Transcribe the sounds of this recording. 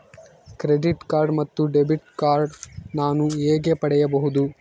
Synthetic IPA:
kɾeɖiʈkaːɾɖmɐt̪ːuɖebiʈkaːɾɖnaːnueːɡepɐɽɛjɐbɐɦud̪u

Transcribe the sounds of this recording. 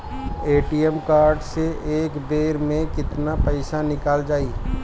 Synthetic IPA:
eːʈiemkaːɾɖseʔeːkbeːɾmẽkɪt̪napəɪsanɪkaːld͡ʒaːiː

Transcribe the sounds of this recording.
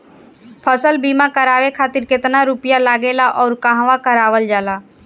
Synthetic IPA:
pʰəsəlbiːmãkəɾaːʋekʰaːt̪ɪɾkɪt̪naɾupijalaːɡeːlaʔɔːɾkãɦʋakəɾaːʋəld͡ʒaːlaː

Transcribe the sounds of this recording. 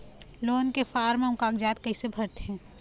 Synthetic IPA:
loːnkefaːɾmẽʊ̃kaːɡd͡ʒaːt̪kɐisebʱɐɾt̪eɦɛ̃ː

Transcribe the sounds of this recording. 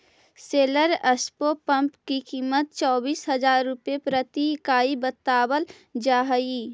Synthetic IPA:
seːləɾəspopə̃mpkikiːmət̪̚t͡ʃɔːbiːsɦɐd͡ʒaːɾːʊpepɾət̪ikaːibət̪ːaːbəl | d͡ʒaːɦi

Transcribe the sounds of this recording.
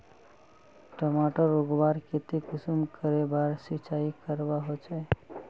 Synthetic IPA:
ʈəmaʈəɾoɡbaɾket̪ekusumkəɾebaɾsit͡ʃaikəɾbaɦot͡ʃʰɛ

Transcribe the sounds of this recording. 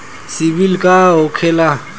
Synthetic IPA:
sɪbilikʼaɦʊkʰɛla

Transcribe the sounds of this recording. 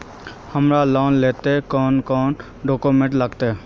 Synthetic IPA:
həmɾalɔːnleːt̪ekɔːnkɔːn | ɖoːkomẽːɳʈləɡt̪e

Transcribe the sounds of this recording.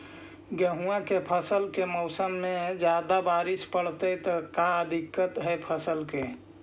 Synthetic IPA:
ɡəɦuãkepʰəsəlkemɔʊsəmːẽd͡ʒjaːd̪abaːɾɪspəɽ̤t̪ət̪əkaəd̪ʱikːət̪ɦɛpʰəsəlke

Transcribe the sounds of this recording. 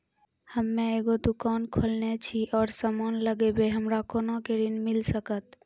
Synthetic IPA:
həmːẽeɡod̪ʊkaːnkʰolnet͡ʃʰiʔɔːɾsamaːnləɡebeɦəmɾakonokeɾinmilsəkət̪

